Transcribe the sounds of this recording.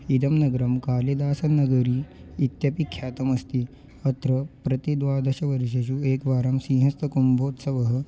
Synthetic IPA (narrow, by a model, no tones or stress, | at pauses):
id̪ɐmnɐɡɾɐmkaːled̪aːsɐnɐɡɐɾiː | t̪jɐpikʰːjaːt̪ɐmɐst̪i | ɐt̪ɾɐpɾɐt̪id̪ʋaːd̪ɐɕɐʋɐɾɕeɕueːkʋaːɾɐmsĩːɦɐst̪ɐkumbʱoːt̪sɐʋɐɦə̆